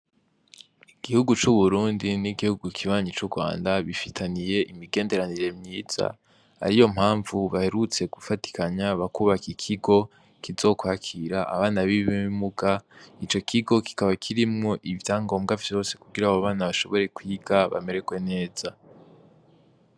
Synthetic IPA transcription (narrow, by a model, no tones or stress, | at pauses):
iɡ̥ihuɡut͡ʃuβuɾuːndiniɡihuɡukʰiβaːɲit͡ʃuɡwa̰ːndaβifitʰanije̞ʔimiɡe̞ːnde̞ɾaniɾe̞mɲiːz̥a̰ | ha̰ɾijo̞m̥haːɱvuβahe̞ɾut͡se̞ɡ̥ufati̥kaɲaβakuːβakikʰiɡo̞ | kizo̞ːkwaːkʰiɾaʔa̰βaːnaβiβiimuɡait͡ʃo̞kʰiɡo̞ki̥kaβakʰiɾimŋo̞ʔivjaːŋɡo̞ːmɡavjo̞ːse̞̥kuɡiɾaβoβaːnaβaʃo̞βo̞ɾe̞kwiːɡaβa̰me̞ɾe̞ɡwe̞ne̞ːz̥a